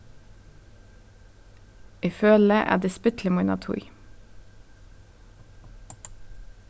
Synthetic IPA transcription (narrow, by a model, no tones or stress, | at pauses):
iːføːləʔæ̰ːd̪eːspɪt̪ʰləmʊɪnɑ̰t̪ʰʊ̰ɪ